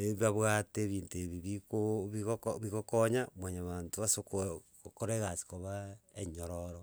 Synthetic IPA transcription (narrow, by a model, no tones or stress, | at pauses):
eβaβwateβiːnteβiβikoβiɣokβiɣokoɲamwaɲaβantoβasokokokoɾeɣasi̥koβaeɲoɾoɾo